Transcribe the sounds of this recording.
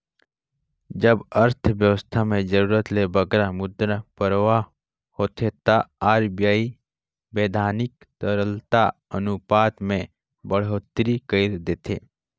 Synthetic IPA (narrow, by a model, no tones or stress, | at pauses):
d͡ʒəbəɾt̪ʰʋjəwəst̪ʰamẽd͡ʒəɾuːɾət̪lebəɡɾamʊd̪ɾapəɾʋa | hoːt̪ʰet̪aaːɾbijaːi | beːd̪ʱaːnɪk | t̪əɾəlt̪aənʊpaːt̪mẽ | bəɽ̤oːt̪ɾikəɪɾd̪eːt̪ʰe